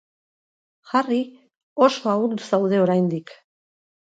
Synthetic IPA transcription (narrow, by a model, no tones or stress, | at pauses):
xari | oʃoauɾd̪usawðe̞oɾajnd̪ik